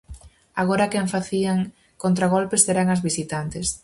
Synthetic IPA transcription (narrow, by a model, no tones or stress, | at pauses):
aɣ̞oɾakɛɱfaθiaŋ | kont̪ɾaɣ̞olpesːeɾaŋɐzβisit̪ant̪ɪs